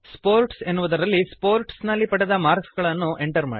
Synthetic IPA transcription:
spoːɾʈse̞nːuʋud̪ɐɾɐlːispoːɾʈsnɐlːipɐɽed̪ɐmaːɾɡsɡɐɭɐnːuʔe̞ɳʈɐɾma̰ːi

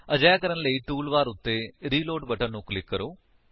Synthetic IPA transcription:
əd͡ʒaːjaːkəɾənləiːʈuːlʋaːɾʊt̪ːeːɾiːloːɖbəʈənnũːklɪkːəɾoː

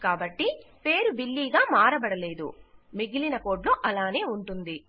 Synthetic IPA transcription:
kaːbɐʈːipe̞ːɾubilːiːɡaːmaːɾɐbɐɽɐle̞ːd̪ṵmiɡilinɐko̞ːʈloːʔɐlaːne̞ːuɳʈund̪i

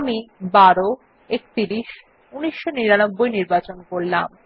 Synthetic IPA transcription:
amibaɾo | ek̚t̪iɾiʃ | uniʃːoniɾanobːojniɾbat͡ɕonkoɾlam

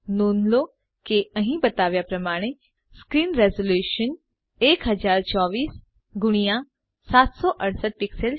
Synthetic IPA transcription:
noːnlo | keəɦĩbɐt̪aːʋjapɾɐmaːɽ̃e | skɾiːnɾɛːzoljuːʃən | eːkɦɐd͡ʒaːɾt͡ʃɔːʋiːs | ɡʊɽ̃ija | saːt̪sɔʔɐɽsəʈ̪̚pɪksəl

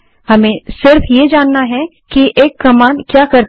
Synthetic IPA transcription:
hɐmẽsɪɾfjed͡ʒaːnːaɦɛ | kiʔeːkːɐmaːnkjaːkɐɾ

